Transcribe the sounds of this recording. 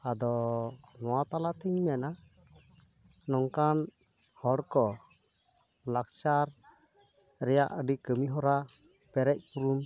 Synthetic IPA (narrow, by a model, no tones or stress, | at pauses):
ad̪ɔnɔwat̪alat̪iɲmɛna | nɔŋkan | hɔɽkɔ | lak̚t͡ʃaɾ | ɾɛjaʔəɖikəmiɦɔɾa | pɛɾɛc̚puɾum